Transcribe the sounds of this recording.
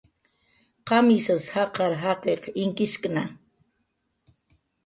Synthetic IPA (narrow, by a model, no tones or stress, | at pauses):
qɑmisashɑqɑɾɦɑqeqɪŋkɪskna